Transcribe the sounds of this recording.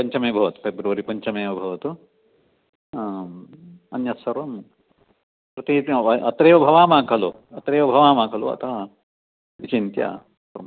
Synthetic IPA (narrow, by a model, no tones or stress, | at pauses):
pɐɲt͡ʃɐmeːbʱɐʋɐt̪u̥pʰebɾɐʋɐɾipɐɲt͡ʃɐmeːʋɐbʱɐʋɐt̪u | ɐnjɐsɐɾʋɐm | pɾɐt̪iːɐʔɐt̪ɾeːʋɐbʱɐʋaːmaːkʰɐlo | ɐt̪ɾeːʋɐbʱɐʋaːmaːkʰɐlo̰ɐ̰t̪ʰɐ | it͡ʃint̪ja̰ː | pɾɐ